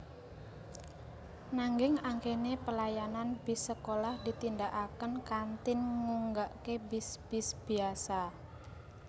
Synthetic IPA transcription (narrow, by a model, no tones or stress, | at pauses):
naŋɡɪŋaŋkenepəlajananbisəkolahd̪it̪ind̪aʔakənkant̪ɪnŋuŋɡaʔkebɪsb̥ɪsb̥iasa